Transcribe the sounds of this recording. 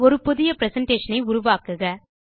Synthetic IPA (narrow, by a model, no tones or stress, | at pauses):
ɔɾɯpɔðɪjɐpɪɾɛsɐɳʈeːʂɐnɐɪʊɾʊʋaːkɯɣɐ